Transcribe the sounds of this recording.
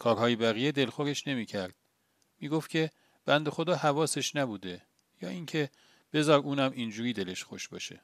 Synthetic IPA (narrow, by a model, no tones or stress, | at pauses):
kʰɒːɾhɒːjebæɣijed̪e̞lxoɾe̞ʃne̞miːcʰæɾd̪̥̚ | miːɡoft̪cʲʰe̞ | b̥ænd̪e̞xo̞d̪ɒːhævɒːse̞ʃnæbuːd̪e̞ | jɒːiŋcʰe̞ | b̥e̞zɒːɾuːnæmind͡ʒuːɾiːd̪e̞le̞ʃxo̰ʃbɒ̰ːʃe̞̰